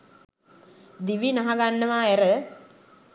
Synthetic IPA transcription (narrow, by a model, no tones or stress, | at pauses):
d̪iʋinaɦaɡanːəʋaæɾə